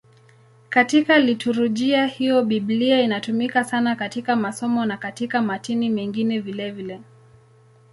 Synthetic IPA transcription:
katikalituɾuʄiahijɔɓibliainatumikasanakatikamasɔmɔnakatikamatinimɛŋɡinɛvilɛvilɛ

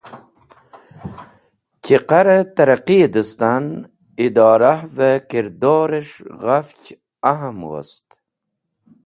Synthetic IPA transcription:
t͡ɕiqaɾet̪aɾaqid̪əst̪an | id̪ɑːɾahvekiɾd̪oːɾeʂɣaft͡ɕ | aɦamwə̰st̪

